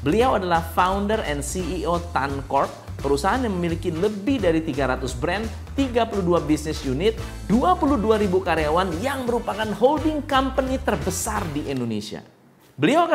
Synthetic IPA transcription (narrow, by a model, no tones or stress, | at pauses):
bəliawadalahfaundərɛ̰nsiiot̪ankɔrt̪̚ | pəɾusaɦaːnjaŋməmilikiləbɪhdaɾit̪iɡaɾat̪ʊsbɾɛn | t̪ːiɡapuluduabisnɪsjunɪt̪̚ | duapuluhduaɾibukaɾeawanjaŋməɾupakanɦoldɪŋkampənit̪ərbəsardiʔɛndonesia̰ | bəliawka